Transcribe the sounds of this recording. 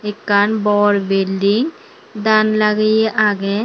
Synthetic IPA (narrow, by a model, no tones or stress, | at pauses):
ekːanbɔɾbelɖiŋ | d̪anlaɡejeʔaɡe